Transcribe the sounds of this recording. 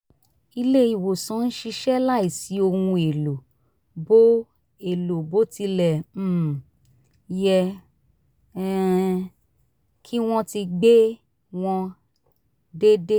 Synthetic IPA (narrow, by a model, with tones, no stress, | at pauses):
i˧le˦i˦˨wo˨sã˨˦n̩˦ʃi˧ʃɛ˦la˦˨i˦˨si˨˦o˧hũ˧e˨lo˨ | bo˦ | e˨lo˨bo˨˦ti˧lɛ̃˨ | jɛ˧˦ | kʰi˦w̃ɔ̃˦ti˧ɡ͡be˦ | w̃ɔ̃˧ | de˦de˦